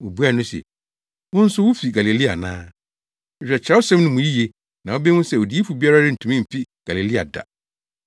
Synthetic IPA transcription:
o˨bu˦a˦˨nʊ̃˦sɛ̰˨ | wʊ̃˦n̩˦sʊ˦wʊ˦fi˨ɡa˨li˨li˦a̰˨nã̰ː˦ | ɛ˦fᶣɛ˨t͡ɕʰɛ˦ʊ˦sɛ̃˦mnʊ̃˦mʊ̃˨ji˦je˨ | nã˨wo˦bi˦wʊ̃˦sɛ˦˨o˨di˨˦e˦fu˨bi˦a˦ɾa˦ɾɪ˦n̩˨tʰu˨mĩ˦m̩˨fi˦ɡ̥a˨li˨li˦a̰˨da̰˨

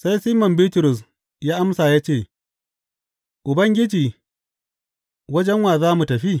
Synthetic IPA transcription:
sa˦jsi˦mɔ˨mbiː˦tʊ˨ɾʊ˨s | jaː˦ʔa˦msaː˨jaː˦t͡ʃeː˦˨ | ʔʊ˨bɐ˦ŋɡʲɪ˦d͡ʒiː˨ | wɐ˦d͡ʒɛ˦ŋwaː˨zaː˦mu˨tɐ˨ɸi˦

